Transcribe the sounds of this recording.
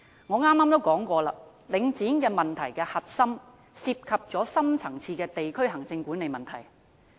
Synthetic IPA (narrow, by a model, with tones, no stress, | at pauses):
ŋɔː˨˧ŋaː˥mːaː˥mt̪o˥wkɔː˨˥ŋkʷɔː˧la̰ː˧ | lɪ˨˧ŋt͡siː˨˥nkɛː˧mɐ˨nt̪ʰɐ˨˩jkɛː˧hɐ˨t̚sɐ˥m | siː˧p̚kʰɐ˨p̚t͡sɔː˨˥sɐ˥mt͡sʰɐ˨˩ŋt͡sʰiː˧kɛː˧t̪e˨jkʰɵ˥ɥɦɐ˨˩ŋt͡sɪ˧ŋkuː˨˥ne˨˧jmɐ˨nt̪ʰɐ˨˩j